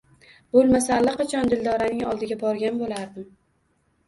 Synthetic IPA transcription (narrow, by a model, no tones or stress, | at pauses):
b̥olˠmasalːɪqɑt͡ʃʰɒnd̪ɪld̪ɒɾanɪŋɒlˠd̪ɪɡʲabɒɾɡʲanbolaɾd̪ɪm